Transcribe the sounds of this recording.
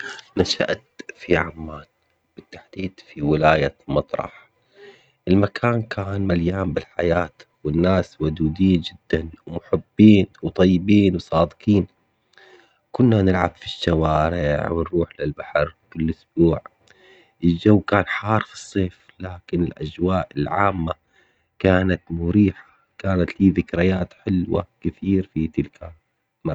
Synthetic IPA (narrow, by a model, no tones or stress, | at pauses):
naʃa̰ʔt̪fiʕamːaːt̪ | b̥ɪt̪ːḁħd̪̥iːd̪fiwɪlaːjamɑt̪ˤɾˤɑ̰ħ | ʔɪlmakʰaːnkʰaːnmaljaːmbɪlħajaːt̪ | wɪnːaːswʊd̪uːd̪iːnd͡ʒɪd̪ːanwmʊħɪbːiːnwt̪ˤɑjːɪbiːnwsˤɑːd̪ɨqiːn | kʊnːanɪlʕabfiʃːawaːɾɪʕwɪnɾuːħlɪlbaħɑɾwkɪlːʔʊsb̥uːʕ | ʔɪld͡ʒawːkaːnħɑːɾˤfi̥sˤːeːf | laːkɪnɪlʔad͡ʒwaːʔɪlʕa̰ːmːa | kaːnat̪mʊɾiːħḁ | kaːnat̪liːðɪkɾɪjaːt̪ħɪlwa̰kɪθiːɾfit̪ɪlkʰa | ma